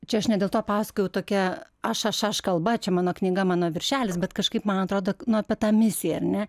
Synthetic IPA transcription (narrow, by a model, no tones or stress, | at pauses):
t͡ʃʲɛɐʃnʲɛd̪ʲeːlˠtoːpɑːsɐ̥kojʲɛʊt̪oːkʲɛ | ɐʃɐʃɐʃkɐlˠbɐt͡ʃʲɛmɑːnoːknʲɪɡɐmɑːnoːʋʲɪrʲʃʲæːlʲɪsbʲɛt̪kɐʃkɐɪpmɐnɐt̪ɾoːd̪oːnʊɐpʲɛt̪ɑːmʲɪsʲɪjɛɐrnʲɛ